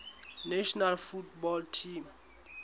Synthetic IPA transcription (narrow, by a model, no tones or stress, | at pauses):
nɛʃɔnalfutbɔltʰim